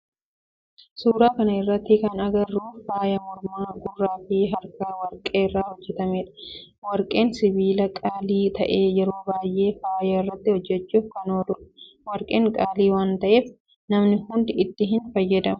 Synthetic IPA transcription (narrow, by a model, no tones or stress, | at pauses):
suːɾaːkɐnɐɪrːɐt̪ːɪkɐnɐɡɐrːuːfaːjɐmɔɾmaːɡʊrːaːfɪɦɐɾkɐwɐɾkʼeːɪrːaːhɔd͡ʒːɛt̪ɐmeːᶑɐ̥ | wɐɾkʼe̞ːnsɪbiːlɐkʼaːliːt̪ɐʔeːjɛɾo̞ːbaːjʔe̞ːfaːjɐɪrːɐt̪ːɪhɔd͡ʒːɛt͡ʃːuːfkɐnoːd̪ʊɾɐ̥ | wɐɾkʼeːŋkʼaːliːwaːnt̪ɐʔe̞ːf | nɐmnɪhʊnd̪ɪɪt̪ːɪɦɪnfɐjːɐd̪ɐm